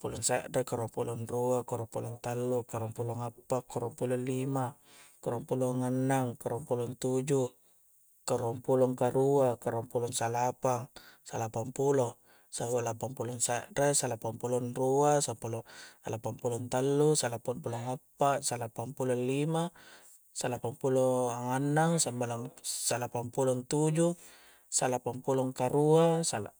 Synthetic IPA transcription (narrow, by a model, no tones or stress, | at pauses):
pulɔŋsaʔdakaɾampulɔnruakaɾompulɔnt̪alːukaɾuampuloŋapːakːaɾompulolima | kaɾoampuloŋanːaŋkaɾuampulɔnt̪ud͡ʒu | kaɾuampulɔŋkaɾuakaɾuampulɔŋsalapaŋsalapampulɔ | sabalapaŋpuloŋsaʔɾesalapampulonruasampuloalapaŋpulɔnt̪alːusalapampuloŋapːaʔsalapaŋpulollima | salapampuloaŋanːaŋsambalaŋsalapampulont̪ud͡ʒu | salapampuloŋkaɾuasala